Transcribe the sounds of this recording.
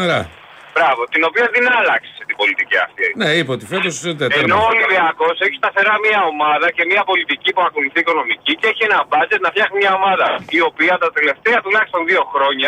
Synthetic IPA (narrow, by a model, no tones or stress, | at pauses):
ɾɐ | b̥ɾɐvo̞t̪ino̞piɐðinɐːlɐksi̥set̪ibo̞lit̪iciɐ̰st̪eineipot̪ifet̪ost̪eenooliviɐko̞se̞çi̥st̪ɐθe̞ɾɐmiɐo̞mɐðɐce̞miɐpo̞lit̪icipuɐko̞luθiːko̞no̞miciceeçienɐbɐzet̪nɐfçɐɣnimɲɐo̞mɐðɐio̞piɐt̪ɐt̪ele̞ft̪eɐt̪ulɐçist̪o̞nðio̞xɾo̞ɲɐ